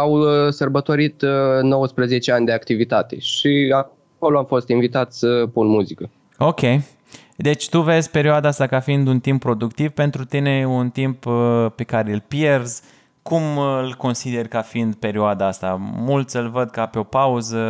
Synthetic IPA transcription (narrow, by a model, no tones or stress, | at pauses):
awsərbət̪o̞ɾit̪nowəspɾəzet͡ʃeanʲd̪eakt̪ivit̪at̪e̞ʃia | ko̞loamfo̞st̪invit̪at̪sʲsəpunmuzikə | o̞kʲe̞j | d̪e̞t͡ʃʲt̪uve̞zʲpe̞ɾioad̪aast̪akafiind̪unt̪impːɾo̞d̪ukt̪ivpe̞nt̪ɾut̪ine̞unt̪imppe̞kaɾeɨlpje̞rz̥ | kumɨlko̞nsid̪e̞rʲkafiind̪pe̞ɾioad̪aast̪a̰mult̪sʲɨlvəd̪̚kapeo̞pauzə